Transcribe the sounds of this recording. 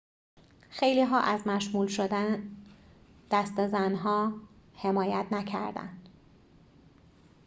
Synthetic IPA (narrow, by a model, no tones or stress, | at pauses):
xejliːɦɒːʔæzmæʃmuːlʃod̪æ | d̪̥æst̪ezænɦɒːhe̞mɒːjæt̪ʰnæcʰæ̰ɾd̪æ̰nd̪̥